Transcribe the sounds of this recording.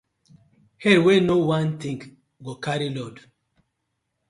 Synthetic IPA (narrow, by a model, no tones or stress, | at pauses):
hɛɾwenowãnt̪ĩŋɡ | ɡokaɾilɔd